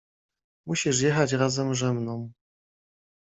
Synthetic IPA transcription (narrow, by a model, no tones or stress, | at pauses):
muɕiʂ̬jɛxat͡ɕɾazɛmʐɛmnɔm